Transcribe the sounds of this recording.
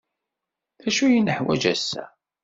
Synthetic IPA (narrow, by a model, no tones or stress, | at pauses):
θæʃujənəħwæ̰d͡ʒæsːæ̰